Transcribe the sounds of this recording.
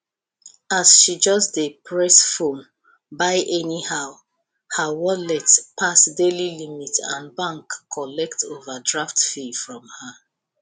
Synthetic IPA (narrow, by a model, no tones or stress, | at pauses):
asʃid͡ʒʌsdepʰɹɛsfõn | baɪʔɛnihaʊ | həwɔlɛtpʰasdelilimitã̰nbãŋkʰːɔlɛktʰovədɹaftfifɹɔ̃mhə